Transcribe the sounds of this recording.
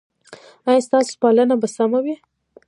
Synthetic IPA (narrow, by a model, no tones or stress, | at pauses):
ajɑst̪ɑsʊ̥pɑlənabasamawi